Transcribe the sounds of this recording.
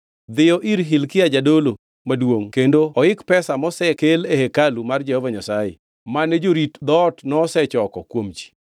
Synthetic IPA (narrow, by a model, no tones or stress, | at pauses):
d̪ɪjɔʔiɾɦilkɪad͡ʒadolo | madwoŋkendoɔɪkpɛsamɔsɛkelehekalumard͡ʒɛhɔvaɲasajɪ̰ | maned͡ʒoɾitd̪ɔtnɔːsɛt͡ʃɔkɔ̰kwomt͡ʃi̥